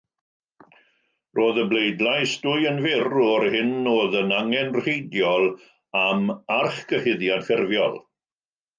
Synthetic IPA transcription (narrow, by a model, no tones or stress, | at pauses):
roːðəblejdlˠajsd̥ʊjənvɪrɔːrhɪnːoːðənaŋɛnr̥hejdjɔlˠ | amarχɡ̥əhɪðjadfɪrvjɔ̰lˠ